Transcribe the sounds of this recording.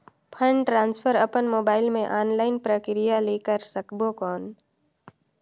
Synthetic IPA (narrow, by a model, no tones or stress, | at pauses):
pʰə̃ɳɖʈɾãːnspʰəɾəpənmoːbaːɪlmẽʔaːnlaːɪnpɾəkɾɪjaleːkəɾsəkbokɔːn